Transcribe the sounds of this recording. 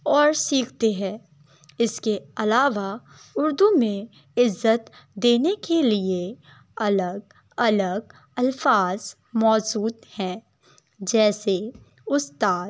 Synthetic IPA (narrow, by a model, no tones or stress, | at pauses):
ɔːɾsiːkʰt̪eɦɛ̃ː | ɪskeɐlaːʋa | ʊɾd̪umẽ | ɪzːət̪ | d̪eːnekelie | ɐləɡ | ɐləɡ̚ | ɐlfaːz̥ | mɔːd͡ʒuːd̪hɛ̃ː | d͡ʒɛːse | ʊst̪aːd̪